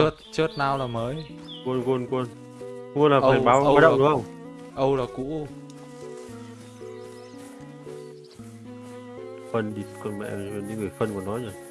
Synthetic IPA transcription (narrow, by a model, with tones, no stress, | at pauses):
ə˦˥t̚t͡ɕə˦˥t̚naː˧˩wlaː˨˩məː˨˦j | ku˧nku˧nku˧n | ku˧nlaː˨˩˧a˨˩ɓaː˨˦wwa˨˦ɗə̰˧˨ɗɨ˨˦xə˧wŋ͡m | ʔə˧wlaː˨˩kṵ˧˥ | fə˧nɗi˧˩kɔ˧nmɛ̰˧˨˧nḭ˧˦ŋɨ˨˩əjfə˧nkɔ˨˧˩nːɔ˨˦jɲə˧˩